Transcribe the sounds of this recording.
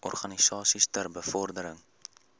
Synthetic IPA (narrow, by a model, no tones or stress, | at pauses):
ɔ̰rχɐnisɑːsistərbəfɔrdəɾəŋ